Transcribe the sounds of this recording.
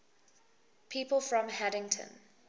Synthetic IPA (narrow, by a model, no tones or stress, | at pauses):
pʰiːpəlˠfɹɔ̃mhæɾɪ̃ŋtʰə̰̃n